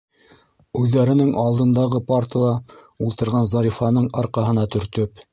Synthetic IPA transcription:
ʉðːæɾɘ̆nɘŋʔɑlˠd̪ɤ̆nd̪ɑʁɤpɑɾt̪ɤlˠɑ | ulˠt̪ɤ̆ɾʁɑnzɑɾifɑnɤɴɑɾqɑɦɤ̆nɑt̪ɵ̆ɾt̪ɵp

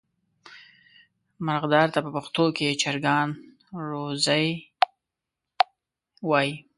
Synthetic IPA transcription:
maɾɣd̪ɑɾt̪apəpaxt̪oket͡ʃaɾɡɑn | ɾozəj | wɑji

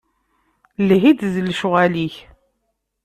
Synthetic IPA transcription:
lɦid̪ðlʃʊʁæliç

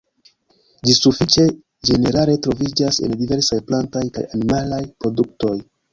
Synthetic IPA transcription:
d͡ʒisufit͡ʃe̞ | d͡ʒe̞ne̞ɾale̞tɾo̞vid͡ʒase̞̰ndive̞ɾsajplantajka̰ja̰nimalajpɾo̞duk̚to̞j

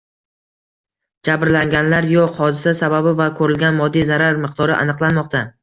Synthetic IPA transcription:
d͡ʒabɾlaŋɡʲanlaɾjoqhɒd̪ɪsasababɪvakʰɵɾɪlɡʲanmɒd̪ːijzaɾaɾmɨqd̪ɒɾɪʔa̰nɨqlˠanmɒq̚t̪ʰa

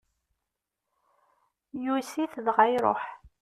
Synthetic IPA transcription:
jusiθðʁajɾˤo̰ħ

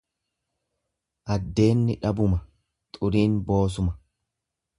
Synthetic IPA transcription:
ʔɐd̪ːe̞ːnːɪᶑɐbʊmɐ | t̪ʼʊɾiːnbo̞ːs̬ʊmɐ̥

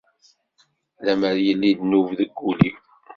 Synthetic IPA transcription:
læməɾjəlːid̪nuvðəɡːuli

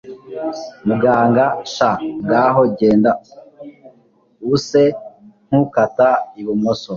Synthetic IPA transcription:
muɡaːŋɡaʃaɡaːɦoɟeːnda | useŋ̥hukataiβumoso

